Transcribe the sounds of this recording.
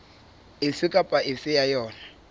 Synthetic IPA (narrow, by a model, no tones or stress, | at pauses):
ɪfɪkʼapʼaʔɪfɪjajɔːna